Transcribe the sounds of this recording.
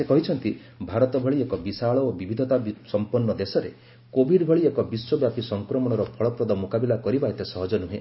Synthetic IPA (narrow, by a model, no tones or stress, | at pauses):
sekɔɦit͡ʃʰɔnt̪i | bʱaɾɔt̪ɔbʱɔɭiekɔbisaɭɔobibʱid̪ʱɔt̪asɔmpɔnːɔd̪esɔɾe | kobʱiɖbʱɔɭiekɔbiswɔbjapisɔŋkɾɔmɔɽ̃ɔɾɔpʰɔɭɔpɾɔd̪ɔmukabilakɔɾibaet̪esɔɦɔd͡ʒɔnuɦe